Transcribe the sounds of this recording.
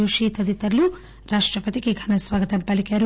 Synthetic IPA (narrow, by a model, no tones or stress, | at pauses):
uʂiːt̪ɐd̪it̪ɐɾɐlu | ɾaːʂʈɾɐpɐt̪ikeɡʱɐnɐsʋaːɡɐt̪ɐmpɐlikeɐɾu